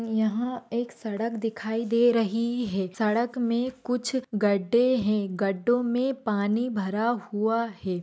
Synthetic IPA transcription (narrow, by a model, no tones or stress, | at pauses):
jɐɦãeːksɐɽəkd̪ɪkʰaːid̪eːɾɐɦiɦɛːsɐɽəkmẽkʊt͡ʃʰɡɐɖːeɦɛ̃ɡɐɖːõmẽpaːnibʱɐɾahuaɦɛː